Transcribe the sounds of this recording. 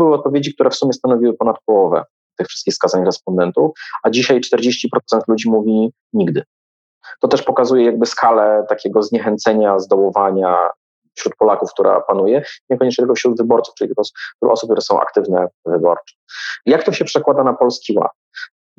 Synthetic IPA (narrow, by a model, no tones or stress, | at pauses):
bɘwɘɔt̪̚pɔvʲjed͡ʑik̚t̪uɾɛfsumʲjɛst̪anɔvʲiwɘpɔnat̪̚pɔwɔvɛ̰ | t̪ɘxfʂɘst̪̚kʲixskazaɲɾɛspɔnd̪ɛnt̪ufad͡ʑiɕajt͡ʂt̪ɛɾd͡ʑeɕt͡ɕipɾɔt̪sɛnt̪lud͡ʑimuvʲi | ɲiɡd̪ɘ | t̪ɔt̪ɛʂpɔkazujɛjaɡ̚bɘskʰalɛt̪akʲɛɡɔzɲɛxɛnt̪sɛɲazd̪ɔwɔvaɲa | fɕɾut̪̚pɔlakufk̚t̪uɾʔa̰panujɛiɲɛkɔɲɛt͡ʂɲɛt̪ɘlkɔfɕɾud̪vɘbɔɾt̪su̥ft͡ʂɘlit̪kɔsɾṵʔɔsup̚kt̪uɾɛsɔ̃w̃ʔa̰kt̪ɘvnɛvɘbɔ̰ɾt͡ʂɛ̥jak̚t̪ɔɕɛpʂɛkwad̪anapɔlskʲiwa̰t̪̚